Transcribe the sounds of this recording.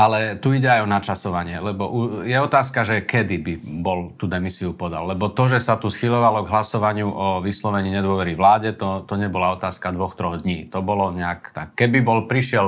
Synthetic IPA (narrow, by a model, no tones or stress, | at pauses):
alɛt̪uiɟɛajɔnat͡ʃasɔʋaɲɪɛlɛbɔʔujɛɔt̪aːskaʒɛkɛd̪ibibɔlt̪ud̪ɛmisiupɔd̪a̰lːɛbɔt̪ɔʒɛsat̪usxiʎɔʋalɔɡɦlasɔʋaɲɪuʔɔʋislɔʋɛɲiːɲɛd̪ʊɔʋɛɾiʋlaːɟɛt̪ɔt̪ɔɲɛbɔlaɔt̪aːskad̪ʋɔxt̪ɾɔɣd̪ɲiːt̪ɔbɔlɔɲɛakt̪akːɛbibɔlpɾiʃɪɛl